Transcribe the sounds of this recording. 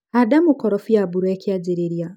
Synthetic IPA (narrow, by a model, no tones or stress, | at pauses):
adamukɔɾɔfujabuɾwekiad͡ʒiɾeɾja